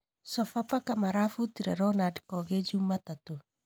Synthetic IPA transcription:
sɔfapakamaɾafutiɾaɾɔnadi̥kɔɣed͡ʒumatato

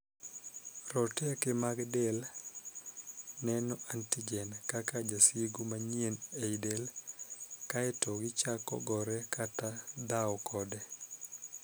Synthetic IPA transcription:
rɔtɛkemaɡdɛl | nɛnɔʔantiɡɛnkakad͡ʒasiɡumaɲieneidel | kaɛtɔɡɪt͡ʃakɔ̰ɡɔɾɛkʰatad̪awɔkʰɔdɛ

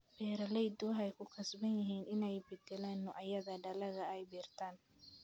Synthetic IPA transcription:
b̥ɛːɾɐlɛjd̪ʊɦɛjkʰʊkʰɐsbɐnjɪɦiːnɪnɛjbɛd̪ɛlɛːnːɔʔɐjɐðɐɖɐlɐɣɐɛjbiːrt̪ʰaːn

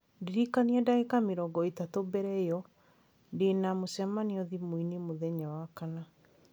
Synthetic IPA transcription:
ndiɾikaniɛdaekameɾɔːɡɔitatobɛɾɛjɔ | ndenamosɛmaniɔðimwinimoðɛɲawakana

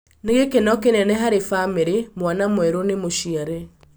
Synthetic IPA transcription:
neɣekenɔkenɛnɛɦaɾefameɾemwanamwɛɾonemoʃiaɾɛ

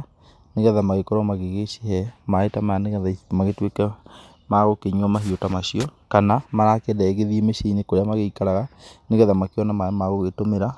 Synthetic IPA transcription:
neɣɛðamaɣekɔɾwɔmaɣeɣeʃehɛmaetamaaneɣɛðamaɣetwekɛ | maɣokeɲɔmaɦiotamaɕiɔkanamaɾakedaeɣeðiemeʃeinekoɾeamaɣeikaɾaɣaneɣɛðamakeɔnamamaɣoɣetomeɾa

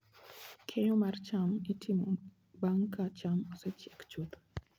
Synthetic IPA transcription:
kʰejomaɾt͡ʃamitʰimo | baŋkat͡ʃamɔset͡ʃɛkt͡ʃud̪

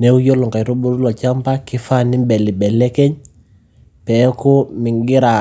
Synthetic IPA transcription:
neujoluŋkaɾubuɾulot͡ʃampakifanimbɛlibɛlekeɲ | pɛkumiŋɡiɾa

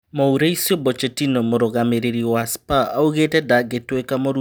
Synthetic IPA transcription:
mouɾeisjɔbɔt͡ʃetinomoɾoɣameɾeɾiwaspaauɣetɛdaɡetwekamoɾu

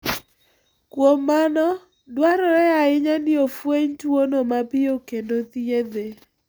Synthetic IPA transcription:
kwomːanɔ | dwaɾɔɾɛaɪɲanɪofweɲtwonomapɪokendot̪jed̪e

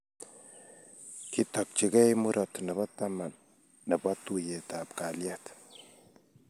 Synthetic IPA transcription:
kitɔk̚t͡ʃikɛjmuɾʔɔtnɛbɔtaman | nɛbɔtujetap̚kaljat

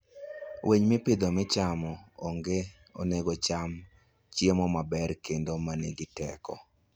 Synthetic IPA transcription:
wʔeɲmɪpɪd̪omɪt͡ʃamɔoŋɡe | o̰neɡot͡ʃam | t͡ʃjemɔmabɛɾkendomaneɡɪtɛkɔ

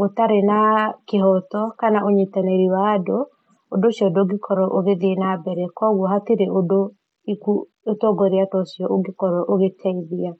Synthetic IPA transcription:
otaɾenakeɦɔtɔkanaʔoɲitanaeɾiwaːdo | odoʃjɔdoːɡikʰɔɾɔʔoɣeðenabɛɾɛkɔɣwɔɦatiɾeʔodo | iku | etɔɡɔɾeatɔsjɔoɡekɔɾɔʔoɣetʰɛiðia

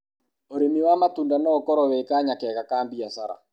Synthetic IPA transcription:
oɾemiwamatuːndanɔkɔɾɔwekaɲakɛɣakaːmbiasaɾa̰

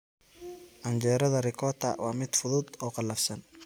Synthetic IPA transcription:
ʔɐnd͡ʒɛːɾɐðɐrɪkʰɔt̪ʰɐ̰wɑːmɪd̪fʊðʊd̪ɔːqɑlːɐfsɐn

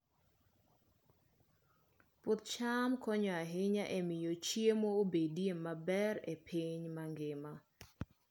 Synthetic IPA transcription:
pʊt̪̚t͡ʃamkɔɲɔaɦɪɲaʔemɪjot͡ʃiemoobedjemabɛɾepʰiɲmaŋɡɪma

